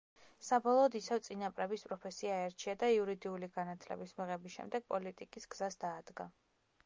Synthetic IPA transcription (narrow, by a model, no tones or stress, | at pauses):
sabɔlˠɔːd̪isɛvt̪sʼinapʼɾɛbispʼɾɔpʰɛsiaɛɾt͡ʃʰiad̪aiuɾid̪iuliɡanat̪ʰlɛ̰bismiʁɛbisʃɛ̰md̪ɛɡ̥̚pʼɔlit̪ʼikʼisɡ̥z̥asd̪aːd̪ɡa̰